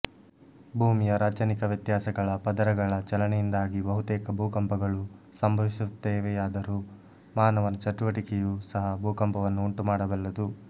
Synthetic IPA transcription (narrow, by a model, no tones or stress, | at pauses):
bʱuːmijɐɾaːt͡ʃɐnikɐʋjɐt̪jaːsɐɡɐɭɐpɐd̪ɐɾɐɡɐɭɐt͡ʃɐlɐnɛjind̪aːɡibɐɦut̪eːkɐbʱuːkɐmpɐɡɐɭu | sɐmbʱɐʋisut̪ːeːʋeaːd̪ɐɾu | maːnɐʋɐnɐt͡ʃɐʈuʋɐʈikɛjuːsɐɦɐbʱuːkɐmpɐʋɐnːuːɳʈumaːɽɐbɐlːɐd̪u